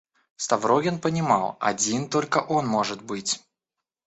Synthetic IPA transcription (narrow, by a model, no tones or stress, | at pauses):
st̪ɐvɾoɡʲɪnpənʲɪmɑlˠɐ̰dʲint̪o̞lʲkəʔo̞nmo̞ʐɨt̪̚bɨtʲ